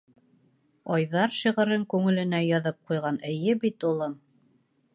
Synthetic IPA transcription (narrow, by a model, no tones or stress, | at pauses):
ɑjðɑɾʃiʁɘ̆ɾɘŋkʉŋɘ̆lɘ̆næjɑðɤp̚qujʁɑnɘ̆jɘbit̪ulˠɤm